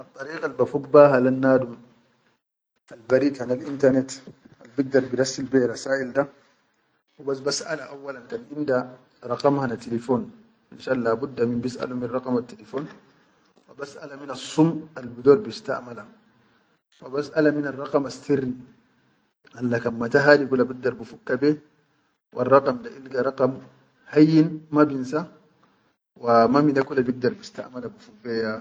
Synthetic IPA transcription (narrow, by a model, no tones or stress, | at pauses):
ʔɑt̪ˤːɑɾiːqalbafukbaːɦalanːaːdum | albaɾiːt̪hanalʔint̪aɾnet̪ | albiɡ̚d̪ɑɾbidasːilbeɾˤɑsaːʔilda | wabas̬basʔalaʔawːalankanʔinda | ɾˤɑqɑmhanat̪ːilifoːn | inʃallaːbud̪ːamimbisʔa̰luminɾˤɑqɑmat̪ːilifoːn | wabasʔalaminasˤːumalbid̪oːɾbist̪a̰ʔmala | fabasʔalaminarˤːɑqɑmastirːi | ʔalːakamːat̪aɦaːlikulabiɡ̚d̪ɑɾˤbufukːabe | warˤːɑqɑmdaʔilɡaɾˤɑqɑm | hajːinmabinsa | wamaminakulːabiɡ̚d̪ɑɾˤbist̪a̰ʔmalabufukbeja